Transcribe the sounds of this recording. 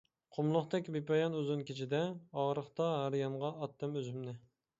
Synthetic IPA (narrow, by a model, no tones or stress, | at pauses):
qʰomlˠʊχt̪ɛkʲbepɑjɑnøzɪnkʲʰet͡ʃʰid̪ɛɑʁɾəχt̪ɑɦæɾjɑɴʁɑʔːt̪ːɨmøzymnɪ